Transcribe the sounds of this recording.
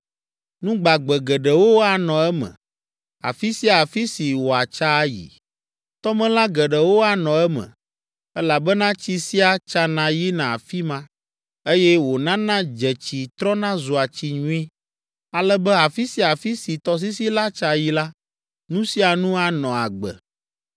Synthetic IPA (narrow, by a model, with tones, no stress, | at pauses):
nũ˦ɡ͡ba˨ɡ͡bɛ˨ɡɛ˨ɖɛ˨wo˦a˨nɔ̃˨ɛ˦mɛ̰̃˨ | a̰˨fi˦si˦a˨a˨fi˦si˨wo˨a˨t͡ʃa˦jḭ˨ | t̪ɔ˦mɛ̃˦lã˦ɡɛ˨ɖɛ˨wo˦a˨nɔ̃˨ɛ˦mɛ̰̃˨ | ɛ˦la˨bɛ˦nã˦t͡ɕi˨si˦a˨t͡ʃa˦nã˨ji˦nã˨a˨fi˦mã˦ | e˦jɛ˦wo˨nã˦nã˦d͡ʒɛ˨t͡ɕi˨t̪ɾɔ̃˦nã˦zu˨a˨t͡ɕi˨ɲũ˦i˦ | a˨lɛ˦bɛ˦a˨fi˦si˦a˨fi˦si˨t̪ɔ˦s̬i˦si˦la˦t͡ʃa˨ji˦la˦ | nũ˦si˦a˨nũ˦a˨nɔ̃˨a˨ɡ͡bɛ̰˨